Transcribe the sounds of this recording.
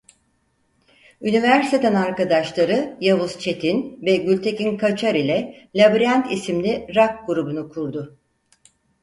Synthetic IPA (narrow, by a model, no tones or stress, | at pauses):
ynivæɾst̪ʰet̪ænaɾkad̪aʃlˠaɾɯjavust͡ʃʰe̞t̪ʰinvɛɟylʲt̪ʰe̞cinkʰat͡ʃʰaɾilʲɛlʲabɾiant̪ʰisimlʲiɾak̚ɡuɾubunukʰuɾd̪ʊ